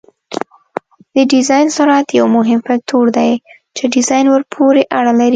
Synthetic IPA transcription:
d̪əɖɪzɑjnsʊɾat̪jawmʊɦɪmpɪl̚t̪ʰoɽd̪aj | t͡ʃeɖɪzɑjnwəɾpʰoɾeʔaɽalaɾi

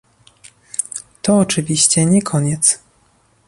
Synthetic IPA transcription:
t̪ɔːt͡ʂɘvʲiɕt͡ɕɛɲɛkʰɔɲɛt̪s

